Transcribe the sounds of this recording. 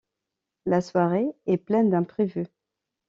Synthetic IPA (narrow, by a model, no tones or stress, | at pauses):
laswaʁeɛplɛnd̪ɛ̃pχevy